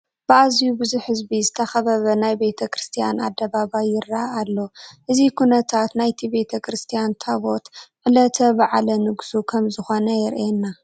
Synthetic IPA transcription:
b̥ɨʔazijubɨzuħhɨzbizɨt̪ʰɐxɐβɐβɐnajbe̞t̪ʰɐkɾɨst̪ʰija̰na̰d̪ːɐβabajɪɾːaːlːoʔɨzikʰunɐt̪ʰat̪najt̪ʰibe̞t̪ʰɐkɾɨst̪ʰijant̪ʰaβo̞t̪ʕɨlɐt̪ʰɐbaʕalɐnɨɡsukʰɐmzɨxo̞nɐjɪɾenːa

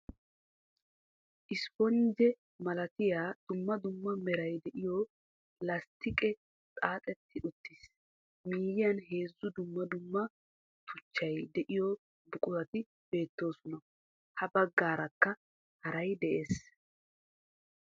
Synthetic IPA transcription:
ʔɪspɔnd͡ʒɛ | mɐlɐt̪ɪjaːd̪̥ʊmːɐd̪ʊmːɐmɛɾɐjd̪ɛʔɪjɔ | lɐst̪ɪkʼɛ | t͡sʼaːt̪ʼɛt̪ʰːɪʔʊt̪ːiːs | miːjɪjɐnɦe̞ːzːʊd̪ʊmːɐd̪ʊmːɐ | t̪ʊt͡ʃːɐjd̪ɛʔɪjɔ | bʊkʼʊɾɐt̪ɪ | b̥e̞ːt̪ːo̞ːsʊnɐ | hɐbɐɡːaːɾɐkːɐ | hɐɾɐjd̪ɛʔeːs

